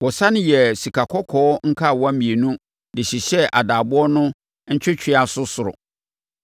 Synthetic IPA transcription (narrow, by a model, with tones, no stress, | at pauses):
wɔ˨sã˦nɪ̃˦jɛ˨si˨kʰa˨kʰɔ˦kʰɔː˨˦ɔ˦ŋ̩˦kʰa˦˨wɔ̃˦mĩ˨e˨nũ˦ | dɪ˨ɕi˨ɕɛ˦ʔa˨daː˨bʊ˦ɔ˦nʊ̃˦ | ɲ̩˦t͡ɕᶣɪ˦t͡ɕʰᶣɪ˦a˨sʊ˦sʊ˨ɾʊ̰˨